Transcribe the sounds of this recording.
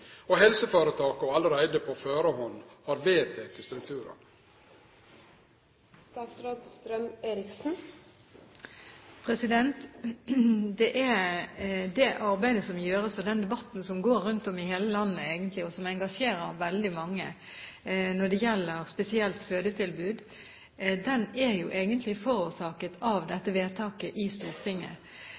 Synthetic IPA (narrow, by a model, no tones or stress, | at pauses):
ɔɦɛlsəfɑːɾət̪ʰɑːkɔɑləɾæɪd̪əpʰɔføːɾəhɔnhɑɾʋeːt̪ʰeːt̪ʰɪst̪ɾʉk̚t̪ʰʉːɾə̰n | st̪ɑːsɾɑːd̪st̪ɾœmeːɾɪksn̩ | pʰɾɛsɪd̪ɛnt̪ | d̪ɛʔæ | d̪ɛʔɑʁbæɪd̪əsɔmjøːɾəsɔd̪ɛnd̪ɛbɑt̪ːn̩sɔmɡoːɾːʉnt̪ɔmɪheːləlɑnːəeːɡənt̪lɪɔsɔmɛŋɡɑʂeːɾəɾʋɛld̪ɪmɑŋːə | nɔɖɛjɛlːəʁspɛsɪɛlt̪føːd̪ət̪ʰɪlbʉːd̪ | d̪ɛnæjuʔeːɡənt̪ʰlɪfɔɾuːʂɑːkət̪ʰɑʋd̪ɛt̪ːəʋeːt̪ʰɑːkəʔɪst̪uːʁt̪ʰɪŋːə̰